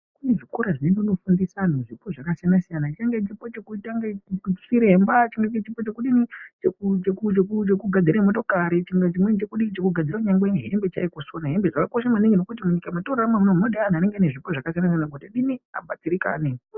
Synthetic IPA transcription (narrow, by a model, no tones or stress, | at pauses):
kune̞ʐikoɾaʐineŋɡeno̞fundisanoʐipo̞ʐakasijanasijanat͡ʃitaŋɡet͡ʃipo̞t͡ʃekutaŋɡat͡ʃi̥siɾembat͡ʃiŋɡeet͡ʃipo̞t͡ʃe̞kuɗinit͡ʃekut͡ʃekut͡ʃekut͡ʃekuɡʱad͡ziɾamo̞to̞kaɾit͡ʃiŋɡet͡ʃimwenit͡ʃekuɗit͡ʃekuɡʱad͡ziɾauɲaŋɡwenɦe̞̰mbe̞t͡ʃa̰ikosonaɦembeʐakako̞ʃamaneŋɡenokutimuɲikamatoraramamunomunoɗeanane̞ŋɡeaneʐipoʐakasijanasijanaɡotaɗinia̰ɓatiɾika̰ːne